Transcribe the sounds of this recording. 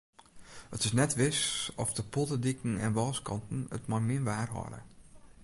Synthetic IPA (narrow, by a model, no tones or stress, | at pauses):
hətɪsnɛtʋɪsɔfdəpʰɔtədikn̩ɛnʋɔːskɑntn̩ə̰tmɔjmɪnʋaːrɦɔ̰lə̰